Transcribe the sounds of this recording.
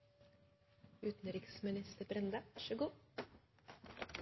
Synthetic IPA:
ʉːt̪n̩ɾɪksmɪnɪst̪əbɾɛnd̪əʋæʃəɡuː

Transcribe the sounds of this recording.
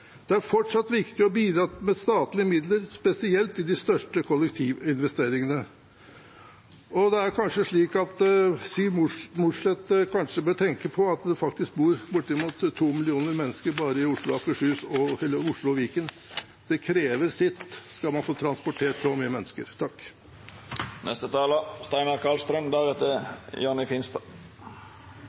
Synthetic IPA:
d̪̥ɛæɾfɔʈʂɑt̪ːʋɪkt̪ɪɔbiːd̪ɾɑːmɛst̪ɑːt̪lɪəmɪd̪ləɾspɛsɪɛlt̪ɪd̪ɪst̪œʂʈəkʰɔlːɛkt̪ʰiːʋɪnʋɛst̪eːɾɪŋənə | ɔd̪ɛæɾkʰɑnʂəʂɭiːkɑt̪siːmʊmʊʂlɛt̪kʰɑnʂəbøːʈʰɛŋkəpʰɔɑt̪d̪ɛfɑk̚t̪ɪsk̚buːɾbʊʈːəmʊt̪ʰːuːmɪlɪuːnəɾmɛnːəskəɾbɑːɾəɪʊʂɭʊɑkəʂʉːsɔhɛlːəɾʊʂɭʊʋiːkən | d̪̥ɛkʰɾeːʋəɾsɪt̪ːskɑlmɑnfoːt̪ʰɾɑnspʊʈʰeːʈsɔmyːəmɛnːəskə̰ɾt̪ʰɑkː | nʔɛ̰st̪ət̪ʰɑːləst̪æɪnɑɾkʰɑlst̪ɾənd̪æɾɛt̪ːəjɑːnɪfɪnst̪ɑ

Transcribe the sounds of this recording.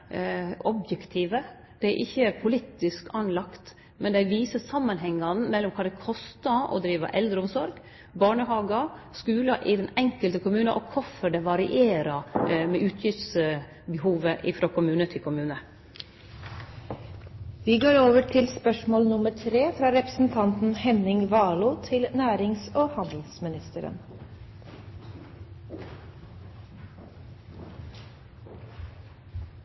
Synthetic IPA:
ʔɔbjɛkt̪ʰiːʋə | d̪̥ɛæʔɪçːəpʰʊliːt̪ɪskɑnlɑkt̪ | mɛnd̪æɪʋiːsəsɑmːɑnɦɛŋːɑn̩mɛlːɔmkʰɑːd̪ɛkʰɔst̪ɑɔ̰d̪ɾiːʋɑ̰ʔɛld̪ɾəʊmsɔɾɡ | bɑːɳəɦɑːɡɑskʉːlɑʔɪd̪ɛnɛŋkəlt̪əkʰʊmʉːnəʔɔkʰɔfɔɖɛʋɑɾɪʔeːɾɑmɛʔʉːt̪ʰjɪʋt̪s | bɛɦuːʋəʔɪfɾoːkʰʊmʉːnət̪ʰɪlkʰʊmʉːnə | ʋiːɡoːɾoːʋəʈʰɪlspœʂmoːlnʊməʈʰɾeːfɾɑːɾɛpɾəsn̩t̪ʰɑnt̪n̩hɛnɪŋʋɑːluːt̪ʰɪlnæːɾɪŋsoːhɑnd̪l̩smɪnɪst̪əɾə̰n

